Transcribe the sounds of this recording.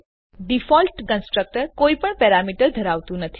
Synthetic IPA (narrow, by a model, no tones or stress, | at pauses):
ɖifɔlʈkənsʈɾək̚ʈəɾkoipəɳpɛɾamiʈəɾd̪ʱəɾaʋt̪ũnət̪ʰi